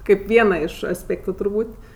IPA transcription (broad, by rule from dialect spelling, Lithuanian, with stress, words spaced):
ˈkɐɪp ˈʋʲiɛnɐ ɪʃ ɐsʲˈpʲeːktʊ tʊrˈbuːtʲ